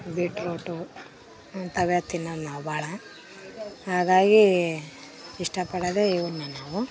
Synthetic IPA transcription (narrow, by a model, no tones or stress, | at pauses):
ɡiʈɾoːʈu | ɐnt̪ɐʋjat̪ːinːɐnaːwubaːɭɐ | ɦaːɡaːɡi | iʂʈɐpɐɽɐd̪eiʋuɾnɐnaːʋu